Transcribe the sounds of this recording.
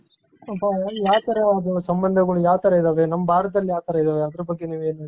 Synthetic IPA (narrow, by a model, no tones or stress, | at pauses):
ɐpːananjaːʋt̪ɐɾɐɐd̪usɐmbɐnd̪ʱɐɡɐɭujaːʋt̪ɐɾɐid̪aːʋenɐmːɐbʱaːɾɐt̪̚d̪ɐlːjaːʋt̪ɐɾɐid̪aːʋeɐd̪ɐɾɐbɐɡːeniːʋeːnɐ